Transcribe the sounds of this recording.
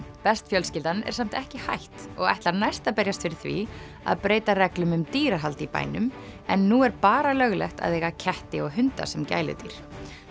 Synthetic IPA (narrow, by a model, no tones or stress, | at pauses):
pɛst̪fjœlscɪlt̪anɛ̰ɾ̥sam̥t̪ɛhcɪha̰jht̪ɔɣa̰jht̪laɾnajst̪apɛɾjast̪fɪɾɪɾ̥θvḭ | a̰ðpɾeːjt̪arɛklʏmʏmt̪iːɾaɦalt̪ipa̰ːjnʏmɛnːuɛɾpaːɾalœɣlɛxt̪a̰ðɛːɣacʰɛht̪ɪɔɣɦʏnt̪a̰sɛmca̰ːjlɪ̰t̪ḭɾ̥